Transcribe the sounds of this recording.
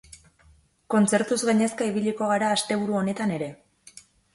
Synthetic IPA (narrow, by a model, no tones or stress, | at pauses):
ko̞nt͡se̞ɾt̪uzɣaɲe̞skaiβ̞iʎiko̞ɣ̞aɾaːst̪e̞βuɾuo̞ne̞t̪ane̞ɾe̞